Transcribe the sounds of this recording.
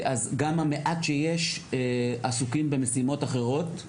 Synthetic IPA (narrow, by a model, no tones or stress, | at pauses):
ʔazɡamameʔat̪ʃejeʃ | asukimbe̞mesimo̞taχe̞ʁo̞t̪